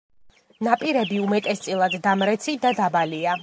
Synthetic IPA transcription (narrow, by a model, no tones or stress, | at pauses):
napʼiɾɛbiumɛt̪ʼɛst̪sʼilˠad̪ːamɾɛt̪sʰid̪ad̪abalia